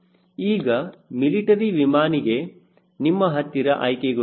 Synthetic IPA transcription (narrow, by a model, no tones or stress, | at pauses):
iːɡɐmiliʈɐɾiʋimaːniɡe̞ | nimːɐɦɐt̪ːiɾɐʔɐjkeɡɐ